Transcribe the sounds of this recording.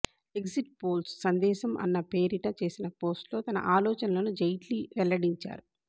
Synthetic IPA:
e̞ksiʈ̚po̞ːlssɐnd̪ɛːʃɐmʔɐ̰nːɐpe̞ːɾiʈɐt͡ʃe̞ːsinɐpo̞ːsʈlo̞ːt̪ɐnɐ̰ʔaːlɔːt͡ʃɐnɐlɐnud͡ʒɐjʈliʋɛlːɐɽiɲt͡ʃa̰ːɾu

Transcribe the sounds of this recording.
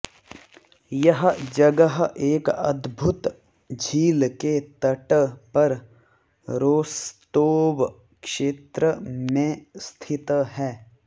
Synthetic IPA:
jɐɦd͡ʒɐɡəɦeːkɐ̰d̪bʱʊt̪ | d͡ʒʱiːlket̪ɐʈpɐɾ | ɾoːst̪oːʋ | kʃeːt̪ɾəmẽst̪ʰɪt̪ɦɛː

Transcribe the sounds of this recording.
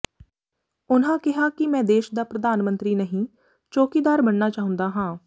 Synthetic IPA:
ʊnɦãːkɪɦaːkɪmɛ̃ːd̪eːʃd̪aːpɾəd̪aːnmə̃nt̪ɾiːnəɦĩː | t͡ʃoːkiːd̪aːɾbənːaːt͡ʃaːɦʊ̃nd̪aːɦãː

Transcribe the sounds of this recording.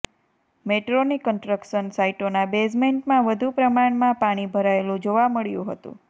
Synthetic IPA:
meʈɾonikːəɳʈɾəkʃənsaiʈonabes̬meɳʈmãʋəd̪ʱupɾəmaɳmãpaɽ̃ibʱəɾaelũd͡ʒoʋaməɭjṵ̃ɦət̪ṵ̃

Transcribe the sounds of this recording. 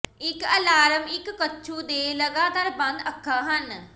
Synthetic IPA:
ɪkəlaːɾəmɪkːətːʃʰuːd̪eːləɡaːt̪aːɾbə̃nd̪əkʰːaːɦən

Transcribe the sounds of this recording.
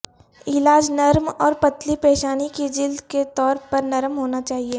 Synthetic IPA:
ɪlaːd͡ʒnɐɾmɔːɾpɐt̪lipeːʃaːniked͡ʒɪld̪ket̪ɔːɾpɐɾnɐɾmɦoːnat͡ʃaːɦieː

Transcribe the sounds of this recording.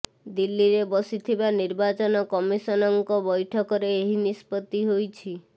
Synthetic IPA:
d̪ilːiɾebɔsit̪ʰibaniɾbat͡ʃɔnɔkɔmisɔnɔŋkɔbɔjʈʰɔkɔɾeːɦinispɔt̪ːiɦojt͡ʃʰi

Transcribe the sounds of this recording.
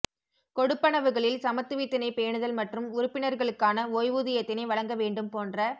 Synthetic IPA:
kɔɽɯpːɐɳɐʋɯɣɐɭɪlsɐmɐt̪ːɯʋɪt̪ːɪnɐɪpeːɳɯðɐlmɐʈrɯmʊɾʊpːɪnɐɾɣɐɭɯkːaːnɐoːjʋuðɪjɐt̪ːɪnɐɪʋɐɭɐŋɡɐʋeːɳɖɯmpoːndrɐ

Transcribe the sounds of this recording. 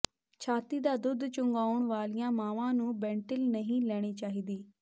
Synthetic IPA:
t͡ʃʰaːt̪iːd̪aːd̪ʊd̪t͡ʃʊŋɡaːʊɳʋaːlijãːmãːʋãːnũːbɛ̃ːɳʈɪlnəɦĩːlɛːɽ̃iːt͡ʃaːɦiːd̪iː

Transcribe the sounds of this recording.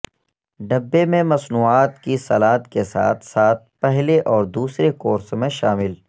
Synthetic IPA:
ɖɐbːemẽmɐsnuːaːt̪kisɐlaːt̪kesa̰ːt̪ʰsaːt̪̚ʰpɛɦleʔɔːɾd̪uːsɾekoːɾsmẽʃaːmɪl

